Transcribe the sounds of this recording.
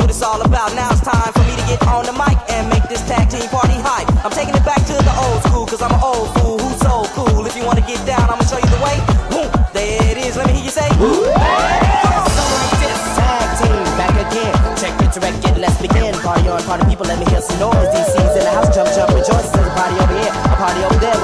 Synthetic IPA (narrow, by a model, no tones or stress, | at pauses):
puɾɨtsɔlˠəbaʊtⁿnaʊɨtstʰãɪ̃ɱfə˞miɾɨɡɛɾn̩ðəmaɪkɨ̃nmeɪk̚ðɪstʰæɡ̚tʰĩmpʰɑɹɾiɦaɪãɪ̃mtʰeɪkɪ̃ŋɨt̚b̥æk̚tʰɨðiʔoʊlˠd̥skulˠkʰʌzãɪ̃mə̃noʊlˠd̥fulˠhusoʊd̥kʰulˠɨfjɨwɑ̃nɨɡɛt̚d̥ãʊ̃nãɪmʌnəʃoʊjɨðəweɪhũðɨɪɾɪzlɛt̚mihiːɹjɨseɪ | somĩɪstʰæɡ̚tʰĩmbækɨɡɛ̃nt͡ʃʰɛk̚ɨdə˞ɛk̚ɡ̥ɛ̃nlɛs̚b̥ɨɡɛ̃nəpʰɑɹɾiə̃npʰɑɹɾĩ̥pʰipl̩ˠlɛt̚mihiɹsnɔɹzðiz̥sĩŋzɨ̃nðɨhaʊsd͡ʒʌ̃mp̚d͡ʒʌ̃mpɹɨd͡ʒɔɪsɨzɨzəpʰɑɹɾioʊvə˞hiɹəpʰɑɹɾioʊvə˞ðə